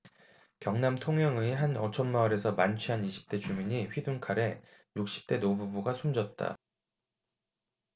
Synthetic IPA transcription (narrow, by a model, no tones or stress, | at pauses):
kjʌŋnamtʰoŋjʌŋɯiɦanʌt͡ɕʰʌnmaɯɾe̞sʰʌmant͡ɕʰɥiɦaniɕʰi̥p̚t͈e̞t͡ɕumiɲiɸɥiduŋkʰaɾe̞ | juk̚ɕ͈i̥p̚t͈e̞nobubuɡasʰumd͡ʑʌt̚t͈a̰